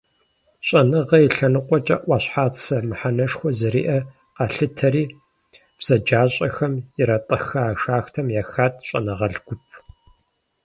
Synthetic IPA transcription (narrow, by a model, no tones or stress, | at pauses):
ɕʼɐnɨʁɐjiɬɐnɨqʷʼɔt͡ʃʼɐʔʷɑːɕħaːt͡sʰɐmɨħanɐʂxʷɔzɨɾḭːʔɐ | qɑɬɨtʰɐɾiː | b̥z̥ɐd͡ʒaːɕʼɐxɐmɪɾɐtʼɐxɐaːʂaːxtʰɐmjaxaːtʼʰɕʼɐ̰nɐʁɐɮɡʷʊpʰ